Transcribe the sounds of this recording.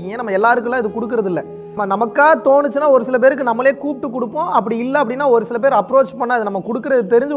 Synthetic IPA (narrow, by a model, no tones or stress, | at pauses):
kːɯŋjẽːnɐmːɐɛlːaːɾɯkːʊlːãːɪðɯkɔɽɯkːɪɾɐðɪlːɐ | mːɐnɐmɐkːaːðɐt̪oːɳɯt͡ʃːɯnːaːɔɾɯsɪlɐp̬eːɾɯk̬ːɯnɐmːɐleːkuːp̚ʈːɯkːɔɽɯpːõːʔɐpːɐɽiɪlːɐɐpːɐɽɪnːaːɔɾɯsɪlɐp̬eːɾɐpːɾoːt͡ʃpɐɳːaːɪðɯnɐmːɐkɔɽɯkːɪɾɐðɯt̪ɛɾɪɲd͡ʒɯ